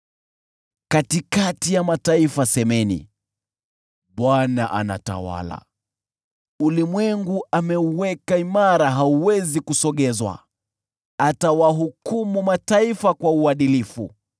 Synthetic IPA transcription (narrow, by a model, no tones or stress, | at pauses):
katikatijamataifasɛmɛnḭ | ɓwanaʔa̰na̰ta̰wa̰la̰ | ulimwɛŋɡuʔamɛuwɛkaimaɾaɦauwɛzikusɔɠɛzwa̰ | atawaɦukumumataifakwauaɗilifṵ